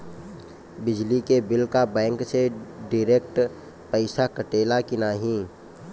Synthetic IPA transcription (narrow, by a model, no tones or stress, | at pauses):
bɪd͡ʒlikebɪlkabɛ̃ːŋkseɖɪɾeːk̚ʈ | pəɪsakəʈeːlakɪnaːɦĩ